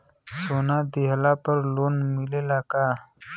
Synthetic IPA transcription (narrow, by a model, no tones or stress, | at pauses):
soːnaːd̪iɦlaːpəɾloːnmilelaːkaː